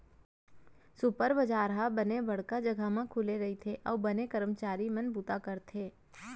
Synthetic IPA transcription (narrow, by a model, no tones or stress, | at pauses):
sʊpəɾbəd͡ʒaːɾɦabɐnebɐɽ̤kad͡ʒɐɡʱamãkʰʊleɾɐɦit̪ʰeʔɔ̰ːbɐnekɐɾəmt͡ʃaːɾimɐ̃nbʱuːt̪akəɾt̪ʰeː